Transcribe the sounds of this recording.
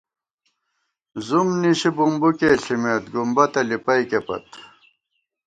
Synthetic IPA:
zumniɕibumbukeːɬimeːt̪̚ɡumbɐt̪ɐlipɐjkepɐ̰t̪

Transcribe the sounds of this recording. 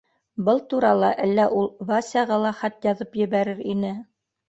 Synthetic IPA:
bɤlˠt̪uɾɑlˠɑʔælːæʔulˠvɑsʲɑʁɑlˠɑχæt̪jɑðɤpjɘ̆βæɾɘɾinɘ

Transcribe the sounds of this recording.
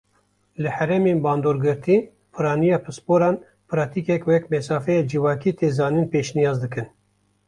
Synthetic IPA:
lɨhɛɾɛmeːnbɑːnd̪oːɾɡɨɾt̪ʰiː | pʰɨɾɑːnijɑːpʰɨspoːɾɑːn | pɨɾɑːt̪ʰiːkɛkwɛkmɛsɑːfɛjɑːd͡ʒivɑːkiːt̪ʰeːzɑːninpeːʃnijɑːzd̪ɨkɨn

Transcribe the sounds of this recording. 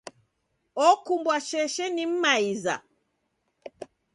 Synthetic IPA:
ɔkumbwaʃɛʃɛnim̩maiza̰

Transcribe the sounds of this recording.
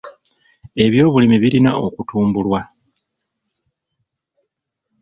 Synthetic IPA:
e̞βjo̞ːβulimiβiɾinao̞kutʰuːmbulwa

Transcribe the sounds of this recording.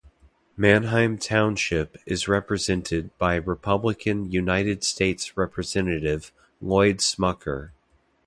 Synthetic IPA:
mæ̃nɦãɪ̃mtʰãʊ̃nʃɪpɪzɹɛpɹɨzɛ̃ntʰɪd̚baɪɹɨpʰʌbləkʰɨ̃njʉnaɪɾɨd̥steɪtsɹɛpʰɹɨzɛ̃nɨɾɪv̥ | lɔɪdsmʌkʰə̰˞

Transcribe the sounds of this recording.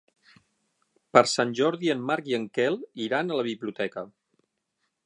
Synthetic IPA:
pəɾsanʲʒɔɾðiəmːaɾkjiəŋkɛlˠiɾanələβ̞iβliut̪ɛkə

